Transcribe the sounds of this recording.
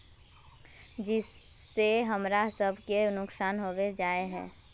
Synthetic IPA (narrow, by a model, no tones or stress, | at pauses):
d͡ʒɪsː | eɦəmɾasəbʱkenʊksaːnɦoʋed͡ʒaːeɦɛ̰̃ː